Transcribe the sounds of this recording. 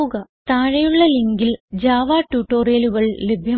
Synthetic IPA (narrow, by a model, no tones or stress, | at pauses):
ɣɐt̪aːɻɐjuɭːɐliŋɡild͡ʑaːʋaːʈːuːʈːo̞ːreːluɣɐɭlebʱjɐ